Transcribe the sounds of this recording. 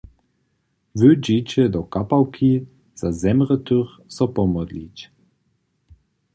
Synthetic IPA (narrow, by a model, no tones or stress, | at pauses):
vød͡ʒit͡ɕɛd̪ɔkapawkʰi | z̥azɛmʁət̪øʁ | sɔpɔmɔd̪lit͡ɕ